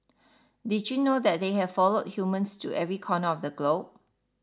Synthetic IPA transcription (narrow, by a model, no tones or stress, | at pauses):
did͡ʒjunodɛt̚deɦɛv̥fɔlod̚hjumə̃nstʰṵʔɛvɹikʰɔnəɔfdəɡlob̚